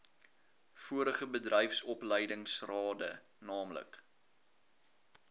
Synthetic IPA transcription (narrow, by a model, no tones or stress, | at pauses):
fuəɾəχəbədrəjfsɔpləjdəŋsrɑːdə | nɑːmlə̰k